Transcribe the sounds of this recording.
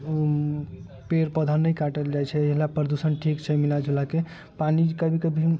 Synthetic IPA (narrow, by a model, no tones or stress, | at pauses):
peɾpəd̪ʱənːəjkaʈəld͡ʒajt͡ʃʰɛːɦlapɾəd̪usənʈʰikt͡ʃʰɛmilad͡ʒʱulake | panid͡ʒkəbʱikəbʱi